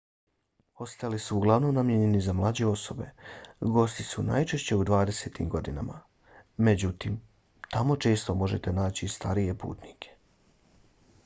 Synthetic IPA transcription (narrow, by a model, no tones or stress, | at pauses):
o̞st̪alisuːɡlˠaʋno̞mnamjeɲe̞nizamlˠaːd͡ʑe̞o̞sobe̞̰ɡo̞st̪isuna̰ːjt͡ʃe̞ʃt͡ɕe̞ud̪ʋaːd̪e̞se̞ːt̪ḭmɡo̞d̪ina̰ma̰ | med͡ʑut̪im | t̪amo̞t͡ʃe̞ːst̪o̞mo̞ʒet̪e̞naːt͡ɕist̪ʰaɾije̞pṵːt̪nikʰe̥